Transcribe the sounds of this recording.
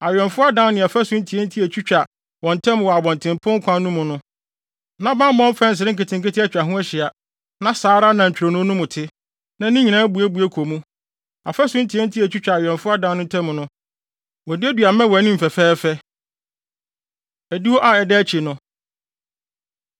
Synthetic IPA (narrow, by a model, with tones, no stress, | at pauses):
a˨ɥᶣɛ̃˨nfʊ˦a˦dã˦n˦nɪ̃˨a˨fɛ˦sʊ̃˦n̩˦tʰi˨ɛ˦n̩˦tʰi˦æ˨t͡ɕʰᶣu˦t͡ɕᶣa˨ | wɔ̃˨n˨tʰɛ̃˦m˨wɔ˨a˨bɔ̃˨ntʰɪ̃˨mpʰʊ̃˦ŋ̩˦kʰʷã˦n˦nũ˦mʊ̃˨nʊ̃˦ | nã˦bã˦m˦mɔ̃˦m˦fɛ̃˦n̩˨s̬ɪ˨ɾɪ̃˦kɪ˨tʰɪ̃˨ŋ˨kɪ˦tʰɪ˦æ˦t͡ɕᶣɾa˨ɦʊ̃˦ɛ˦ɕɪ˨a˨ | nã˦saː˨˦ɾa˦nã˨ɲ̩˨t͡ɕᶣɾo˨nʊ̃˦nʊ̃˦mʊ̃˨tʰɪ˦ | nã˦nĩ˦ɲĩ˨nã˦æ˦bu˨æ˦bu˨æ˦kʰo˨mũ˦ | a̰˨fɛ˦sʊ̃˦n̩˦tʰi˨ɛ˦n̩˦tʰi˦æ˨t͡ɕᶣu˦t͡ɕᶣa˨a˨ɥᶣɛ̃˨nfʊ˦a˦dã˦nʊ̃˦tʰɛ̃˦m˨nʊ̃˦ | wɔ˨dɪ˦æ˦dɥa˨mɛ̃˦wɔ˨nĩ˦m̩˨fɛ˨fɛː˦fɛ˦ | æ˨di˦wɔ˦ʔa˨ɛ˨dɛ˦t͡ɕʰi˨nʊ̃˦